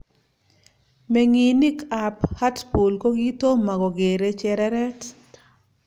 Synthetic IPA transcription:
me˨ŋi˨ni˦ka˨pha˦tpu˨lko˦ɡi˦to˦ma˨ɡɔ˨ɡe˨ɾe˦t͡ʃɛ˦ɾɛ˦ɾɛ˦t

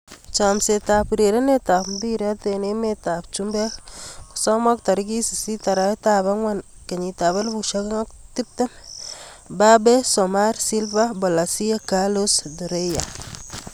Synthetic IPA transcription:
t͡ʃamse˨ta˨pɾe˨ɾe˦ne˦ta˨pmbi˦ɾa˦tene˦metap̚t͡ʃumbɛ˦kku̥sɔ˦ma˦k̚ta˨ɾɡi˦si˨si˦ta˨ɾa˦taba˦ŋwanke˨ɲi˨ta˨βa˦lbu˨ʃa˦kŋɔ˦k̚ti˦p̚tɛ˦m | babe˦sɔ˨ma˦ɾsi˦lvabɔ˨la˨si˦akalosdu˨ɾe˦ja

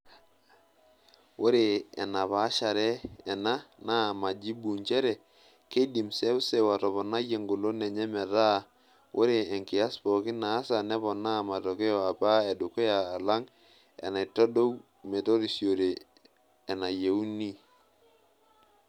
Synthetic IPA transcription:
wo˦ɾe˨ɛ̰˨na˨pa˨˦ʃa˨ɾɛ˦ɛ˨na˦na˦˨ma˨d͡ʒi˦bu˨ɲt͡ʃɛ˦ɾɛ˨ | ke˦di˨msɛ˦ʊ˦se˨wa˨tɔ˨βɔ˨na˦je˨ŋɡo˨lo˦nɛ˨ɲɛ˦mɛ˨ɾa˦˨ | wʔo̰˦ɾe˨ɛ˨ŋkɪ˨a˦spɔ˨kɪ˦naː˨˦sa˨nɛ˦βɔ˨na˦˨ma˨to˨ke˦ɔ˨a˨pa˦e˨du˨ke˦jaː˨la˦ŋ | ɛ̰˨na˨tɔ˦do˦w | me˨to˦ɾi˨sjo˨ɾeː˨ | na˨je˨u˦ni˦

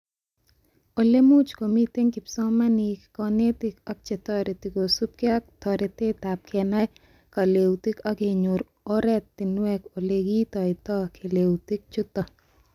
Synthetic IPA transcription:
o˨le˦mu˦t͡ʃko˨mi˦t̪e˦ŋkɪ˨psɔ˦ma˦nikkɔne˦t̪ɪkɔ˦k̚t͡ʃe˨t̪ɔɾe˨t̪i˨ko˨su˦p̚ki˦a˦k̚t̪ɔ˨ɾe˨t̪e˦ta˨p̚kʰɛ˨na˦ | ka˨lewt̪i˦kɔ˦ke˨ɲʊɾ | oɾɛ˦t̪ːɪ˨nwɛ˦ko˨le˨ɡi˦t̪ɔ˨ɪ˨t̪ɔ˦kʰe˨lewt̪i˦k̚t͡ʃʊ˦t̪ɔ˨

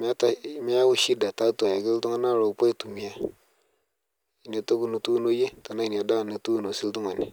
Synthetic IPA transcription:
m˦a˦ta˨˦ma˦ja˦wu˦ʃi˦da˨ta˨˦tu˨a˨ja˨ki˦ltu˦ŋa˦na˦˨ɾo˨u˨po˦i˦tu˨mi˨ja˨ | i˨ni˨o˨to˦ku˦nu˨tu˦no˦je˦ta˨na˦i˨ni˨o˨da˦˨na˨tu˦˨no˨si˦ltu˦ŋa˨ni˨

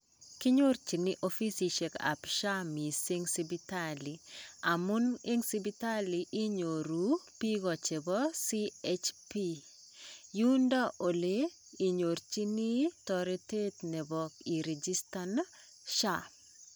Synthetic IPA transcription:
ki˦ɲo˦ɾt͡ʃi˨ni˦ʔo˦fi˦si˨ʃe˨ka̰˨pʃa˦mi˨si˦ŋsi˦bitalia˨mu˦nɪ˦ŋsi˦bi˦ta˦liʔɪ˦ɲo˨ɾupi˦ɡɔ˨t͡ʃe˨bɔsi˦et͡ʃpi | ju˦nda˦ʔo˨leː˦˨ | ɲo˨ɾt͡ʃi˦ni˦tɔɾite˦tnɛ˨bɔki˨ɾe˨d͡ʒistan | ʃa

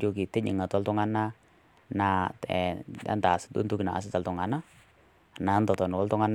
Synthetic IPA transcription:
d͡ʒoki˨t̪ɛ˦ɲə̰˨ŋa˨t̪a˦lt̪ɔ˦ŋana | nat̪ɛa̰˦nt̪a˨sḁd̪ṵ˦nt̪uki˨na̰˨ʔa̰s̬at̪a˨lt̪ɔŋa˨na | na˨nt̪ɔ˨t̪ɔ˨nu˨a˦lt̪ɔ˦ŋan

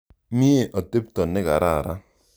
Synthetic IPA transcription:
mi˦e˦˨ʔɔ˨te˦p̚tɔ˨nɪ˦ka˨ɾa˦˨ɾa˦

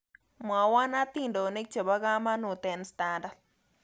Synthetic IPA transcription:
ma˨wa˦na˦t̪i˦˨ndo˨ne˦k̚t͡ʃo˨ba˦ɡa˦ma˦nu˨t̪ɛ˨nsta˦nda˨d̚

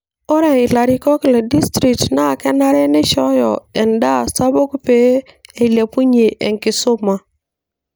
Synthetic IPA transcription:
o˦ɾe˨i˨la˨ɾi˦˨kɔ˦kle˨di˦stɾi˨k̚tna˦˨ke˦na˦ɾe˦ne˦ʃɔ˦jɔ̰˨e˨nda˦˨sa˦bo˦ku˦pe˦e˨i˨le˨pu˦ɲe˨ʔḛ˨ŋki˨so˦ma˨

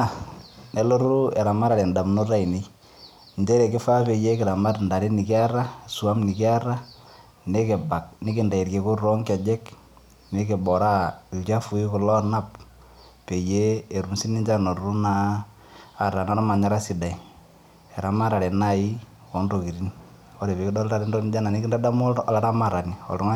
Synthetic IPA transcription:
a˨ne˨˦lo˦ɾu˦ɛ˨ɾa˨ma˦ɾa˨lɛ˨nda˨mno˦ɾa˦i˨ne˦ | nd͡ʒe˦ɾe˨kɪ˦fa˦pe˨je˦kɪ˨ɾa˨ma˦tnda˨ɾi˦ni˨kɪ˦a˦ɾa˦su˨a˦mni˨kɪ˦a˦ɾa˦ | ne˦ke˨ba˨k̚nɪ˦kɪ˨nda˨i˨rke˨ko˦ɾo˦ŋka˨d͡ʒɛ˦k | ne˦ke˨bɔ˨ɾa˦i˨lt͡ʃa˦fu˨i˦kʊ˨lɔ˦na˦p̚ | pe˨je˦e˨ɾu˨msi˦ni˦ɲd͡ʒa˦no˨ɾu˦naː˦˨ | ɾa˨na˦ɾa˦ma˨ɲa˦ɾa˦si˨da˨i˨ | ɛ˨ɾa˨ma˦ɾa˨ɾe˨na˦i˦ | kɔ˨˦ndo˨ki˨ɾi˦ni | ɔ˦ɾe˨pe˨kɪ˦dɔ˦lda˦ɾi˦ndɔ˦n˦d͡ʒa˦na˨ni˦kɪ˦nda˦da˦mɔ˦˨la˦ɾa˦ma˨ɾa˨ni˨ɔ̰˨ltɔ˦ŋa˦

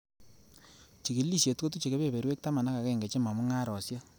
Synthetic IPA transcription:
t͡ʃi˨ki˨˦li˦˨ʃje˨tko˦t̬u˦t͡ʃe˨ke˦βe˦˨be˨ɾwe˦k̚ta˦ma˨na˦ka˨kɛ˦˨ŋɡɛ˨t͡ʃe˦ma˨mu˦ŋa˦ɾɔ˨sja˦

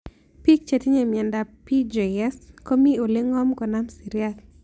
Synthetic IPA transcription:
pi˦k̚t͡ʃe˨ti˦ɲe˨mi˨ɛ˨nda˨pi˦d͡ʒeɛ˦sko˦mi˦o˨le˦ŋɔ˦mkɔ˨na˦msi˨ɾjat̪̚

